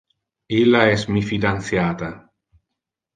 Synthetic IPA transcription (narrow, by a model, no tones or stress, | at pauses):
ilːaɛsmifid̪anθjaːt̪a